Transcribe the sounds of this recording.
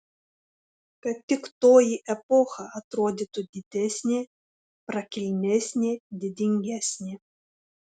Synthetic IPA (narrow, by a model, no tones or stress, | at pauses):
kɐt̪ʲːɪkt̪oːjiʔɛpɔxɐʔɐt̪ɾoːd̪ʲit̪ʊd̪ʲɪd̪ʲɛsʲnʲeː | pɾɐkʲɪlʲnʲɛsʲnʲeːd̪ʲɪd̪ʲɪŋʲɡʲæsʲnʲe